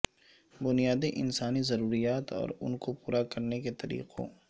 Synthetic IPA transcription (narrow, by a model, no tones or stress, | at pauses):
bʊnijaːd̪iʔɪ̰nsaːnizɐɾuːɾijaːt̪ɔ̰ːɾʊnkopuːɾakɐɾneket̪ɐɾḭːqʰo̰